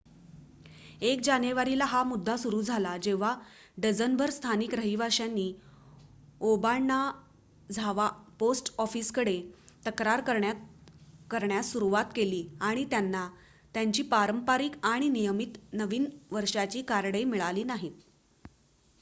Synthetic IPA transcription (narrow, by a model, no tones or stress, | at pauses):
ek̚d͡ʑanjeʋaɾilaɦamud̪ʱːasuɾuːd͡zʱalad͡ʑeʋ̤a | ɖəd͡zənbʱəɾst̪ʰanikɾəɦibaʂjanːiː | obaɭna | d͡zʱaʋaposʈɔfiːskəɽet̪əkɾaɾkəɾɳa | kəɾɳjasuɾuʋat̪keliːaɽ̃it̪janːa | t̪jaɲt͡ɕiːpaɾəmpaɾikaɽ̃inijəmit̪nəʋiːnʋəɾʂat͡ɕiːkaɾɽəjmiɭaliːnaɦit̪